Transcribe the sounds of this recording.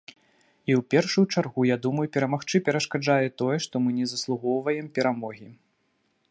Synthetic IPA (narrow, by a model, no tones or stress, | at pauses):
iwpʲɛrʂujut͡ʂarɣujad̪umɐjupʲɛɾɐmaxt͡ʂɨpʲɛɾɐʂkad͡ʐajɛt̪ɔjɛʂt̪ɔmɨnʲɛzɐslˠuɣɔwvɐjɛmpʲɛɾamɔɣʲi